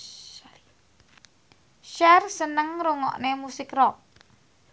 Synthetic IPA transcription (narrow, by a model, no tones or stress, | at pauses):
ʃɛrsənəŋɾuŋɔ̰ʔnemusɪkrɔk̚